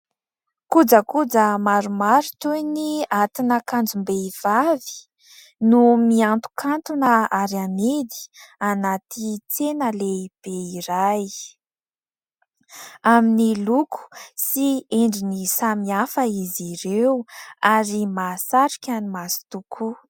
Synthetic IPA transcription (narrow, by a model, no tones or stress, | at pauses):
kud͡zəkud͡zəmaɾumaɾut̪ujniat̪inəkand͡zumbeiv̥avi̥ | numiant̪u̥kʰant̪unəaɾamid̪i̥anat̪it͡senəleib̥eiɾaj | aminilukʰu̥sieɳɖ͡ʐinisamiafəiziɾewaɾimasaɾikʲanimasi̥t̪ukʰu